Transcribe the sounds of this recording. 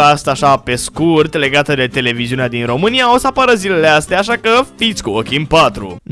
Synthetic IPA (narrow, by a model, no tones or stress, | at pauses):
ast̪aʃape̞skurt̪le̞ɡat̪əd̪e̞t̪e̞le̞viziunead̪inro̞mɨnijaosapaɾəzile̞least̪eaːʃakəfit̪sʲkuokʲinpat̪ɾṵ